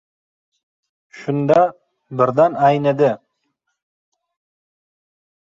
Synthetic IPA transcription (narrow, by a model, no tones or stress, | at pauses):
ʃʊnd̪ɑ | bɪɾd̪ɑnɑjned̪ɪ